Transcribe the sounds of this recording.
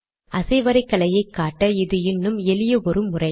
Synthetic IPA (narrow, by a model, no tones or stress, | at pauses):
ʔɐsɐɪʋɐɾɐɪkːɐlɐjɐɪkːaːʈːɐɪðɯɪnːɯmɛlɪjɐɔɾɯmːʊrɐɪ